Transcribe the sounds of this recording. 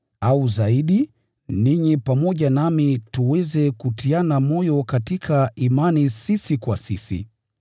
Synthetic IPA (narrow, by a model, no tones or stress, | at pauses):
auzaiɗi | niɲipamɔʄanamituwɛzɛkutianamɔjɔkatikʰaimanisisikwasisḭ